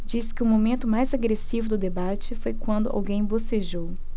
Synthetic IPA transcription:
d͡ʒisɪ̥kɪʊmomẽnt̪ʊmajzaɡɾesivʊd̪ʊd̪ebat͡ʃɪfojkwɐ̃nd̪ʊʔa̰wɡẽj̃boseʒow

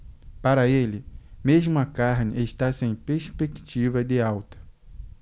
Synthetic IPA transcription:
paɾɐelɪmeʒmʊɐkaɾnɪʔeʃt̪asẽj̃peɾspekt͡ʃivɐd̪ɪawt̪ɐ̥

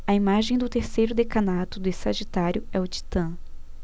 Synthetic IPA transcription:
ɐimaʒẽj̃d̪ʊt̪eɾsejɾʊd̪ekɐ̃nat̪ʊd̪ʊisaʒit̪aɾjʊɛʊt͡ʃ̪i̥t̪ɐ̃

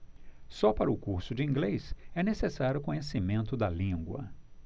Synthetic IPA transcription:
sɔpaɾɐʊkuɾsʊd͡ʒɪĩŋɡlejsɛnesesaɾʲjʊkõɲesimẽnt̪ʊd̪ɐlĩɡwɐ̰

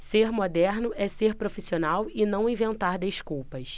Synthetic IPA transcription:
seɾmod̪ɛɾnʊʔɛseɾpɾofisionawɪnɐ̃w̃ĩvẽnt̪aɾd̪eʃkuwpɐs

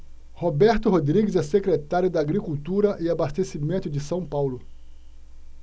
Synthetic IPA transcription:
hobɛɾt̪ʊɦod̪ɾiɡɪzɛsekɾet̪aɾjʊd̪ɐaɡɾikuwt̪uɾɐʔɪabast̪esimẽnt̪ʊd͡ʒɪsɐ̃w̃pawlʊ

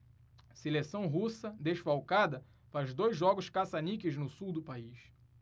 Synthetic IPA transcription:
selesɐ̃w̃ɦusɐd̪eʃfawkad̪ɐ | fazd̪ojzʒɔɡʊʃkasanikɪznʊsuwd̪ʊpaiʃ

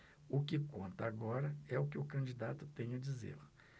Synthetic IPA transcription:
ʊkɪkõnt̪ɐaɡɔɾɐɛʊkɪʊkɐ̃d͡ʒid̪at̪ʊt̪ẽjɲ̃ɐd͡ʒizḛl

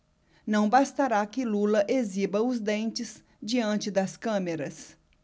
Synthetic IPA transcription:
nɐ̃w̃bast̪aɾakɪlulɐʔezibɐʊzd̪ẽnt͡ʃɪz | d͡ʒiɐ̃nt͡ʃɪd̪ɐskɐ̃meɾɐs

